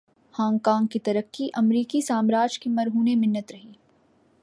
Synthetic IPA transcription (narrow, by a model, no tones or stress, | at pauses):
hãːŋɡkãːŋɡ̚kit̪ɐɾəkːiʔɐmɾiːkisaːmɾaːd͡ʒkimɐɾɦuːnemɪnːət̪ɾɐɦiː